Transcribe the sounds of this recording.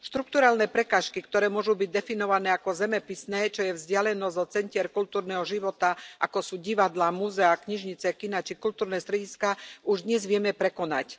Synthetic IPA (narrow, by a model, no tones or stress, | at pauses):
ʃt̪ɾuk̚t̪uɾaːlnɛːpɾɛkaːʃkikt̪ɔɾɛːmʊɔʒubiɟ̚d̪ɛfinɔʋanɛːakɔzɛmɛpisnɛːt͡ʃɔjɛvzɟɪalɛnɔzɔt͡sɛɲcɪɛɾkult̪uːɾnɛːɦɔʒiʋɔt̪aʔakɔsuːɟiʋad̪lamuzɛakɲiʒɲit͡sɛkinat͡ʃikult̪uːɾnɛːst̪ɾɛɟiskauʒd̪ɲɛzʋɪɛmɛpɾɛkɔna̰c